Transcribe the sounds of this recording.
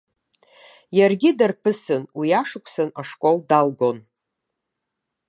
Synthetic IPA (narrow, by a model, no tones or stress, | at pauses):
jarɡʲidarpʰɨsɨnwijaʂɨkʷʰʼsɨnaʂkʷʼo̞ldalɡo̞n